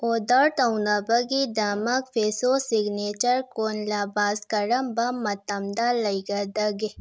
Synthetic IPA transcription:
oːd̪aɾt̪ɐwnabɐɡid̪aːmɐkfesosiɡnet͡ʃɐɾkoːnlaːbaːzkɐɾɐmbamːɐt̪ɐmd̪alɐjɡɐd̪ɐɡe

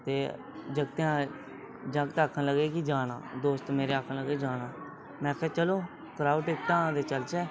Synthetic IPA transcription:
t̪eː | d͡ʒəɡt̪eãː | d͡ʒə̃ɡt̪aːkʰːənləɡeːkid͡ʒaːna̰ːd̪oːst̪meːɾeaːkʰnləɡeːd͡ʒaːɽ̃ãː | mɛ̃ːkʰɛːt͡ʃəloː | kɾaːuʈɪkʈãːd̪eːt͡ʃəlt͡ʃɛː

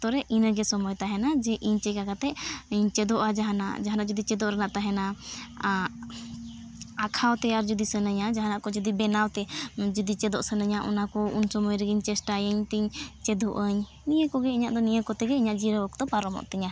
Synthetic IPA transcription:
t̪ɔɾɛʔinəɡɛsɔmɔjt̪aɦɛnad͡ʒɛʔiɲt͡ʃɛkakat̪ɛʔɲt͡ʃɛd̪ɔʔad͡ʒaɦana̰ʔd͡ʒaɦanaʔd͡ʒud̪it͡ʃɛd̪ɔʔɾɛnaʔt̪aɦɛna | akʰawt̪ɛaɾd͡ʒud̪isənəɲad͡ʒaɦanaʔkɔd͡ʒud̪ibɛnawt̪ɛd͡ʒud̪it͡ʃɛd̪ɔʔsənəɲaʔɔ̰nakɔunsɔmɔjɾɛɡiɲt͡ʃɛsʈajəɲt̪iɲt͡ʃɛd̪ɔʔəɲ | nijəkɔɡɛiɲaʔd̪ɔnijəkɔt̪ɛɡɛiɲaʔd͡ʒiɾəɔkt̪ɔpaɾɔmɔ̰ʔt̪ɛɲa

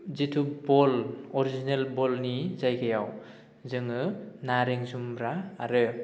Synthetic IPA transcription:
zitʰubɔlɔɾizinelbɔlnizajɡʰajaw | zɯŋɯnaɾeŋzumbɾaːɾɯ

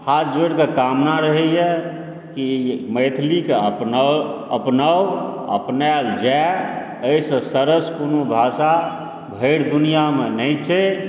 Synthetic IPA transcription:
hat̪ʰd͡ʒeɽkekamnaɾəɦɛjɛ | kiməjt̪ʰlikeəpnəəpnəwə̰pnald͡ʒɛ | əisə̃səɾəskonobʱasa | bʱəɪɽd̪unijamenəjt͡ʃʰɛ

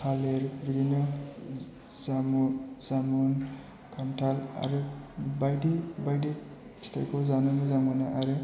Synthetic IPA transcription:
tʰaleɾbiɾinɔ | zamuzamun | kʰamtʰala̰ɾɯbajdibajdi | stʰa̰jkʰowzanɯmɯzaŋɔnaʔaɾɯ

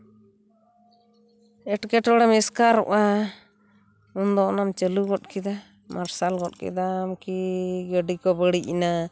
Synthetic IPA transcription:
ɛʈkɛʈɔɽamɛskaɾɔ̰ʔa | und̪ɔʔnamt͡ʃəluɡɔt̚kid̪a | maɾsalɡɔtkɛ̰d̪amkiɡəɖikɔbəɽiʔina

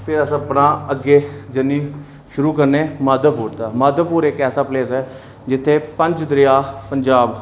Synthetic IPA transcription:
pʰɪɾəsəpɽãːəɡeːd͡ʒənːiː | ʃʊɾuːkəɾneːmaːd̪əpuːɾt̪aːmaːd̪əpuːɾekɛːsaːpleːsɛː | d͡ʒɪt̪ʰːeːpəɲd͡ʒd̪ɾɪjaːpəɲd͡ʒaːb

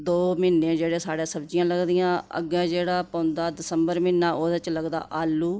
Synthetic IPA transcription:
d̪oːmɪnːẽːd͡ʒeːɽeːsaːɽẽːsəbd͡ʒijãːləɡd̪ɪjãːə̰ɡɛ̃ːd͡ʒeːɽaːpə̃ʊnd̪aːd̪ɪsəmbəɾmɪnːãːʔoːd̪t͡ʃləɡd̪a̰ːʔaːlːuː

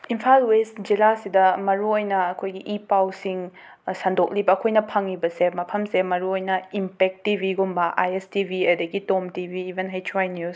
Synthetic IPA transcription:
impʰalwestd͡ʒilasidɐmɐɾuojnɐːkʰojɡiʔipawsiŋ | sandok̚libɐːkʰojnɐpʰɐŋibɐsemɐpʰɐmsemɐɾuojnɐimpek̚tibʱiɡumbɐʔa̰jestibʱiɐdɐɡitomtibʱiːbʱenɦajtʰɾajnus

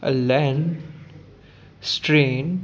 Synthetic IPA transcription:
ʔə̰lɛ̃n | sʈɾẽːn

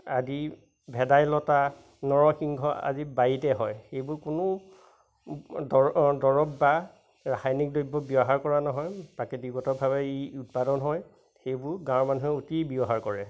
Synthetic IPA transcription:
azi | bʱɛdajlɔta | nɔɹɔxiŋɡʱɔa̰zibajitɛɦɔjxejbʊɹkʊnʊ | dɔɹɔbba | ɹaxajnik̚dojbːɔbiɔɦaɹkɔɹanɔɦɔjpakɛdiɡɔtɔbʱabɛiut̚padɔnɦɔj | xejbʊɹɡãmanuɦɛotibiɔɦaɹkɔɹɛ

